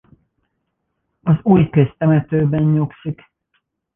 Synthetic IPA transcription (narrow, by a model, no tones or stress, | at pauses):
ɒzuːjkøst̪ɛmɛt̪øːbɛɲɲoksik